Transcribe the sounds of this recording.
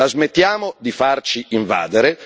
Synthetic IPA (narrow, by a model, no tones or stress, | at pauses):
lazmet̪ːjaːmod̪ifart͡ʃiiɱva̰ːd̪eɾe